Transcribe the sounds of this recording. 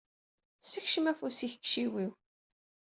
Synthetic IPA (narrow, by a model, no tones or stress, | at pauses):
səçʃəmæfusiç̥kʃiwiw